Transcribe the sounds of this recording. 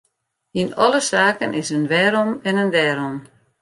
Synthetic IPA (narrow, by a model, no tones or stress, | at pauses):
inɔlˠəsaːkənʔɪsənʋɛːɾɔmɛnəndɛːɾɔm